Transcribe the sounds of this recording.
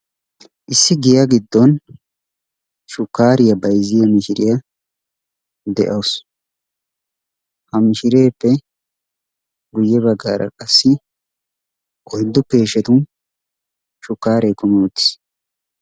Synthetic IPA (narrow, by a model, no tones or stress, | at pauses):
ʔɪsːɪɡɪjaɡɪd̪ːɔn | ʃʊkːaːɾɪjɐbɐjzɪjɐmɪʃɪɾɪjɐ | d̪ɛʔɐwʊs | hɐmɪʃɪɾe̞ːpːɛ | ɡʊjːɛβɐɡːaːɾʔɐ̰kʼɐsːɪ | ʔɔjd̪ːʊke̞ːʃɛt̪ʊn | ʃʊkːaːɾeːkʊmɛʊt̪ːɪ̥s